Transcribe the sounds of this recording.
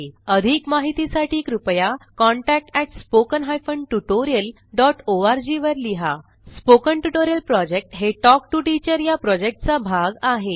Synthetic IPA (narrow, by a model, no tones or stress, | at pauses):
əd̪ʱikmaɦit̪isaʈʰiːkɾupjakɔɳʈæk̚ʈɛʈspokənɦajfəɳɖʈuʈoɾijəl | ɖɔʈoaɾd͡ʑiʋəɾliɦa | spokəɳʈuʈoɾijəlpɾɔd͡ʑek̚ʈɦeʈɔk̚ʈuʈit͡ɕəɾjapɾɔd͡ʑek̚ʈt͡sabʱaɡaɦe